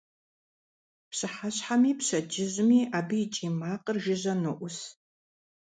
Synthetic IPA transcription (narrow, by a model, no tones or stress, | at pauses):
pɕɨħaɕħamiːpɕɐd͡ʒɪʑmiːʔaːbɨjːt͡ʃʼiːmaːqʼərʒɪʑɐnɨʔʷʊs